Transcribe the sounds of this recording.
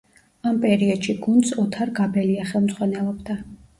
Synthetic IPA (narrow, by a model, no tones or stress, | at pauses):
ampʼɛɾiɔd̪̥ʃiɡund̪sɔt̪ʰaɾɡabɛliaχɛlˠmd̪zʼʁwanɛlˠɔbd̪a